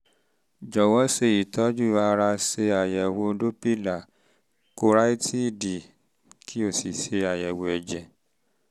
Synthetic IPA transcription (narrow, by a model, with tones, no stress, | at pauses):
d͡ʒɔ˨wɔ˦se˧i˨tɔ˨˦d͡ʒu˦˨a˧ɾa˧se˧a˨jɛ˨wo˧˦do˦pi˦˨la˨ | ko˧˦ɾa˦i˦tʰi˦˨di˨ | kʰi˦o˦˨si˨se˧a˨jɛ˨wo˧˨ɛ˨d͡ʒɛ˨